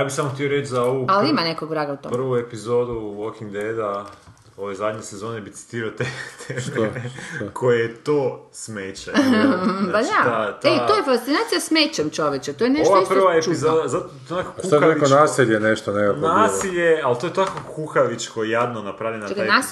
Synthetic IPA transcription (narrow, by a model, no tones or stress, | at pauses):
jaːbixsamoxt̪ijoɾet͡ʃzaoʋualimanekoɡʋɾaɡaut̪opr̩ʋuepizod̪uʋokiŋɡd̪ed̪a | oʋejzad̪ɲesezo̞nebit̪i̥t̪iːɾaot̪et̪ʰe | kʰojejet̪oːsmeːt͡ɕa | aaat̪eojefast̪inaːt̪sijasmeːt͡ɕemt͡ʃoʋjet͡ʃet̪oːjeneoʋaopr̩ʋaeizod̪azat̪onakokuoaikonaːsiʎeneʃt̪onenaːsiʎealt̪ojet̪akokuxaʋit͡ʃkojejad̪nonapɾaʋʎʲenaona